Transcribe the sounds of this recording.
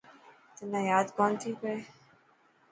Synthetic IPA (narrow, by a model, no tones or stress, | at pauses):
t̪ɪnːajaːd̪kɔːnt̪ʰike